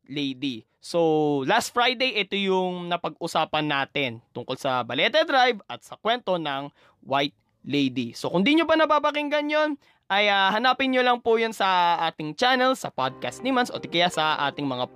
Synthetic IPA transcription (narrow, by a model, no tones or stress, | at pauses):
lɛjd̪i | solast̪̚fɹajd̪ejʔɛt̪ojʊŋnɐpɐɡʔʊsaːpɐnːaːt̪ɛnt̪ʊŋkolsɐbɐlɛːt̪ɛd̪ɾajvɐt̪̚sɐkwɛnt̪o̞nɐŋ | wajt̪̚ | lejd̪iso̞kʊnd̪iɲobɐnɐbaːbɐkɪŋɡɐnjon | ʔɐjahɐnaːpɪnɲolɐŋpʊjonsɐʔaːt̪ɪŋt͡ʃanɛlsɐ̰pad̪̚kɐst̪̚nimɐnsʔot̪kɐjasɐʔa̰ːt̪ɪŋmɐŋa